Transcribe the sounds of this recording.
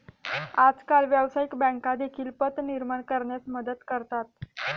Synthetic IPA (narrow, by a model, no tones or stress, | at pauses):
ad͡zkalʋjəʋsaikbə̃ŋkad̪ekʰiːlpət̪niɾmaɳkəɾɳjat͡sməd̪ət̪kəɾt̪at̪